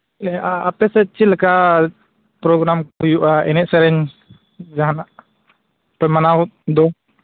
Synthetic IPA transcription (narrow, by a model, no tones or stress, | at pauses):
aapɛsɛt͡ʃilɛka | pɾɔɡɾamkujuʔaɛnɛʔ̚sɛɾɛɲ | d͡ʒaɦanaʔ | pɛmanat̪̚d̪ɔ